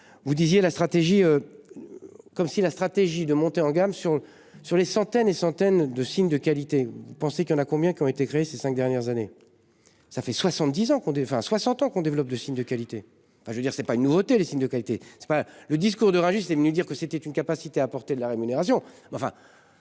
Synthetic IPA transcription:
vud̪izjelast̪χat̪eʒiø | kɔmsilast̪χat̪eʒid̪əmɔ̃t̪eɑ̃ɡamsyʁ | syʁlesɑ̃t̪ɛnesɑ̃t̪ɛnd̪əsiɲd̪əkalit̪evupɑ̃sekljɑ̃nakɔ̃bjɛ̃kʲiɔ̃et̪ekχeːsesɛ̃k̚d̪ɛʁnjɛʁzane | safɛswasɑ̃t̪̚d̪izɑ̃kɔ̃d̪ẽfɛ̰̃swasɑ̃t̪ɑ̃kɔ̃d̪evlɔp̚d̪əsiɲd̪əkalit̪ẽ | fɛ̃ʒəvød̪iʁsɛpaynːuvot̪elesiɲd̪əkalit̪esɛ̥paləd̪is̬kuʁd̪əʁɛ̃ʒiset̪ɛvənyd̪iʁkəset̪ɛt̪ynkapasit̪eaːpɔʁt̪ed̪əlaʁemyneʁas̬jɔ̃mɛɑ̃fɛ̰̃

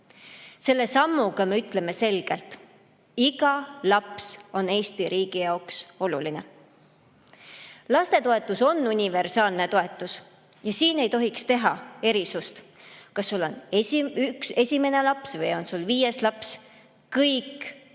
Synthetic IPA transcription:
se̞lːe̞sɑmːuɡ̥ɑmeyt̪ˑle̞me̞se̞lɡ̥e̞lt̪ˑ | iɡ̥ɑlɑpso̞ne̞ːsʲt̪iɾiːɡ̥ijɑokso̞luline̞ | lɑst̪e̞t̪o̞e̞t̪ːˑuso̞nːunʲive̞rsɑːlne̞t̪o̞e̞t̪ːˑus | jɑsiːne̞jt̪o̞ɦikst̪e̞ɦɑe̞ɾisust̪kɑsːulːo̞̰neykse̞sʲime̞ne̞lɑpsvɤjo̞nsulviːje̞slɑps | kɤjk

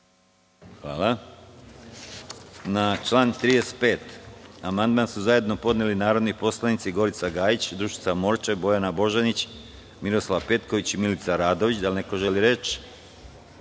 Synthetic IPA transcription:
xʋa̰ːla | nat͡ʃlaːnt̪ɾiːd̪ese̥t̪pe̞ːt̪amand̪̚mansuzaje̞d̪no̞po̞d̪nelinaːɾo̞d̪nipo̞slˠanit̪siɡo̞ɾit̪saɡaːjit͡ɕd̪ɾuʃit̪samo̞ɾt͡ʃe̞bo̞janabo̞ʒanit͡ɕ | miɾo̞slaʋpe̞t̪ko̞ʋit͡ɕimilit̪saɾaːd̪o̞ʋit͡ɕd̪alne̞ko̞ʒe̞liɾe̞t͡ʃ

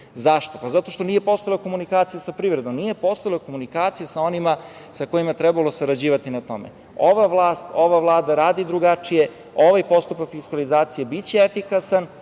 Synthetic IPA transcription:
zaʃt̪o̞pazat̪o̞ʃt̪o̞niːjepo̞st̪aloko̞munikaːt̪sijesapɾiːʋɾed̪o̞mnije̞po̞st̪aloko̞munikaːt̪sijesao̞nima | sako̞jimat̪ɾebalˠo̞saɾad͡ʑiːʋat̪inat̪o̞̰mḛ | oʋaʋlˠaːst̪o̞ʋaʋlˠaːd̪aɾaːd̪id̪ɾuɡat͡ʂije̞ | o̞ʋajpo̞st̪upakfiskalizaːt̪sijebit͡ɕeefikasan

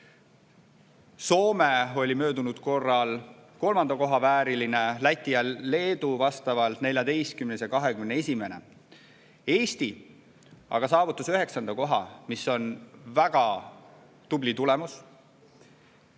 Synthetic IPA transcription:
so̞ːmeo̞lʲimø̞ːd̪unud̪̥ko̞rːɑlko̞lmɑnd̪̥ɑko̞ɦɑvæːɾiline̞læt̪ʲːˑijɑle̞ːd̪uvɑst̪ɑvɑlt̪ne̞lʲjɑd̪e̞jst̪̚kymnesekɑɦe̞kymnee̞sʲime̞ne̞̰ | e̞ːst̪i | ɑ̰ɡ̥ɑsɑːvut̪ːˑusyɦe̞ksɑnd̪̥ɑko̞ɦɑmisːo̞nvæɡ̥ɑ | t̪ublit̪ulemus

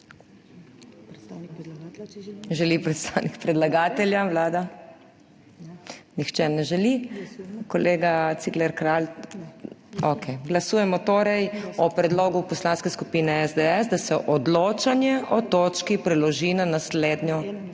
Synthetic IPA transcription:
ʒɛlipɾɛt̪st̪awnikpɾɛd̪laɡaːt̪ɛljawlaːd̪a | nixt͡ʃɛnɛʒɛli | kɔleːɡat̪siklɛɾkɾal | okʰɛjɡlasuːjɛmɔt̪oːɾɛjɔpɾɛd̪loːɡupɔslaːnskɛskupiːnɛɛzd̪ɛɛzd̪asɛʔɔd̪loːt͡ʃanjɛʔɔt̪oːt͡ʃkipɾɛlɔʒinanasleːd̪nʲɔ

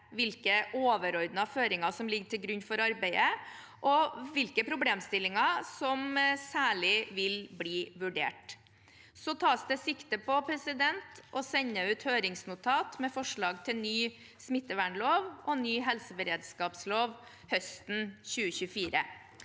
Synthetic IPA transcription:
ʋɪlkəʔoːʋəɾɔɾd̪nɑføːɾɪŋɑsɔmlɪɡʈ̪ʰɪlɡɾʉɲːfɔɾɑɾbæɪə | ʔɔʋɪlkəpʰɾʊbleːmst̪ɪlːɪŋɑsɔmsæːɭɪʋɪlbliːʋʉɖḛːʈ | sɔt̪ʰɑːsd̪ɛsɪkt̪əpɔpʰɾɛsɪd̪ɛnt̪ʔɔsɛɲːəʉːt̪høːɾɪŋsnʊt̪ʰɑːt̪mɛfɔʂɭɑːɡt̪ʰɪlnyː | smɪt̪ːəʋæɳloːʋʔɔnyːɦɛlsəbəɾeːd̪skɑːpsloːʋ | hœst̪n̩çʉːəçʉfiːɾə

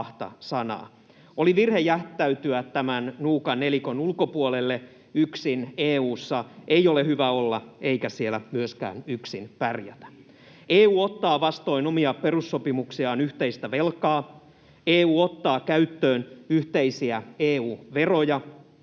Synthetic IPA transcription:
ht̪ɑ̰sɑnɑ̰ː | oliʋirhejæht̪ːˑæyt̪yæt̪æmænnuːkɑnelikonulkopuolelːe | yksineːuːsːɑʔejolehyʋæolːɑeikæsielæmyøskæ̰ːnyksinpærjæ̰t̪æ̥ | eːuːot̪ːɑːʋɑst̪o̞inomiɑperusːopimuksiɑːnyht̪eist̪æʋelkɑː | eːuːot̪ːɑːkæyt̪ːøːnyht̪eisiæeːuːʋerojɑ

